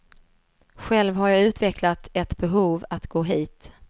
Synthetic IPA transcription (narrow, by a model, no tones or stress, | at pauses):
ɧɛlvɦaɾjɑʉ̟ːt̪vɛklat̪ɛt̪bɛɦuːvat̪ɡ̥oːɦiːt̪